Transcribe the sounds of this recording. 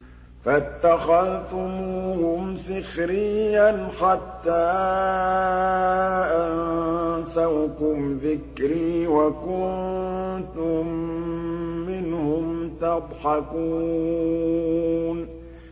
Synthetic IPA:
fat̪ːaxaðt̪ʊmʊhʊmsɪxɾɪjːanħat̪ːaː | ʔansawkʊmðɪkɾiːwakʊn | t̪ʊmː | ɪnhʊmt̪ɑd̪ˤħɑkuː | n

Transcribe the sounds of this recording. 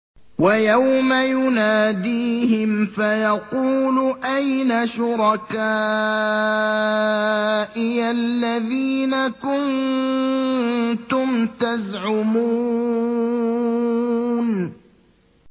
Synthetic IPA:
wajawmajʊnaːd̪iːɦɪmfajɑquːlʊʔajnaʃʊɾɑkaː | ʔɪalːaðiːnakʊn | t̪ʊmt̪azʕʊmu | n

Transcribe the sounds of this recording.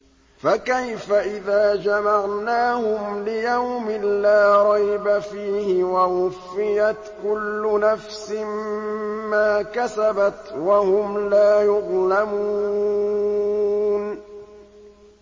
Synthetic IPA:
fakajfaʔɪðaːd͡ʒamaʕnaːhʊmlɪjawmɪlaːɾˤɑjbafiːhɪwawʊfːɪjat̪kʊlːʊnafsɪm | maːkasabat̪wahʊmlaːjʊðlamuː | n

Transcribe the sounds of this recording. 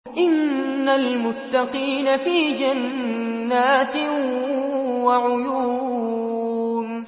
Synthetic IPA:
ʔɪnːalmʊt̪ːɑqiːnafiːd͡ʒanː | aːt̪ | waʕʊjuː | n

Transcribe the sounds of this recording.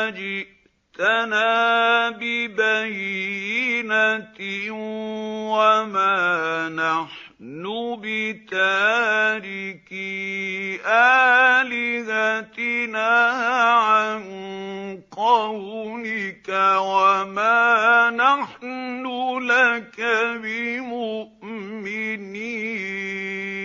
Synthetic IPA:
d͡ʒɪʔ | t̪anaːbɪbajjinat̪ɪ | wamaːnaħ | nuʊbɪt̪aːɾɪki | ʔaːlɪhat̪ɪnaːʕan | qɑwunɪkawamaːnaħnulakabɪmʊʔminiː

